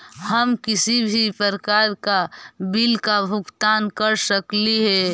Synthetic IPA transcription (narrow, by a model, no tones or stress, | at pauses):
həmkɪsibʱipəɾkaːɾkabɪlkabʱʊkt̪aːnkəɾsəkliɦɛ